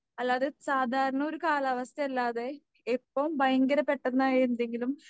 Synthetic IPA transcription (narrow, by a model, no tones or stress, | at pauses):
ɐlːaːðesaːd̪ʱaːɾɐɳɐo̞ɾukaːlɐʋɐst̪ʰjɐɐlːaːðe | epːɐmbʱɐjɐŋɡɐɾɐpːe̞ʈːɐnːaːjiɾund̪e̞ŋɡilum